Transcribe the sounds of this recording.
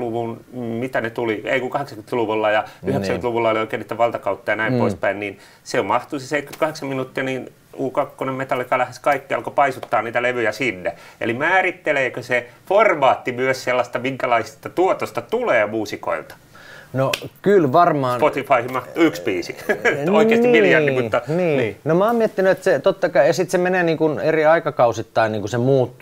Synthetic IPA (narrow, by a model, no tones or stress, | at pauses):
luʋunmit̪ænet̪uliḛikukɑheksɑŋkynt̪luʋulːɑjɑyheksækynt̪luʋulːɑolioikeːnit̪æʋɑlt̪ɑkɑut̪ːɑjɑnæimpoispæinniːn | seommɑht̪useseit̪ky̥t̪kɑheksɑmminut̪ːiɑniːn | uːkɑkːonemet̪ɑlːikɑlæheskɑikːiɑ̰lkopɑisut̪ːɑːnniːt̪æleʋyjæsinːeḛlimæːrit̪ːeleːkøseformɑːt̪ːimyøsselːɑst̪ɑmiŋkælɑisi̥st̪ɑt̪uot̪ost̪ɑt̪uleːmuːsiko̰ḭlt̪ɑ̥ | nokylʋɑrmɑːsnpot̪ifɑihimɑht̪uykspiːsḭoikeːsnikiljjɑnːimut̪ːɑniːniːnomɑːmmiet̪ːinyet̪set̪ot̪ːɑkɑijɑsit̪semeneːniːŋkuneriɑikɑkɑusit̪ːɑiniːŋkusemuːt̪ːu